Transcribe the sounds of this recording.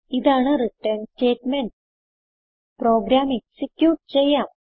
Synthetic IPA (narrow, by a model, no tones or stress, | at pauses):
id̪aɳ̃əɾiʈənsʈeʈmeɳʈ̚ | pɾɔɡɾameksikjuːʈ̚t͡ɕeja